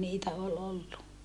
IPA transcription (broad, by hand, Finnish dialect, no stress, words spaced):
niːtæ ol olːu